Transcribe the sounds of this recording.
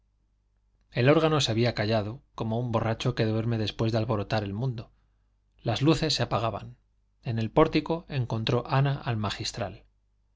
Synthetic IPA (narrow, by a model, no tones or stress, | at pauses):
e̞lo̞ɾɣano̞seaβiakaʝað̞o̞ko̞mo̞umbo̞rat͡ʃo̞keðeβeɾme̞ðe̞spwe̞zðealβo̞ɾo̞t̪aɾe̞lmũnd̪o̞ | lazluθe̞sːeapaɣaβa̰n | e̞ne̞lpo̞ɾt̪iko̞e̞ŋkõ̞nt̪ɾo̞ʔanaʔalmaxist̪ɾal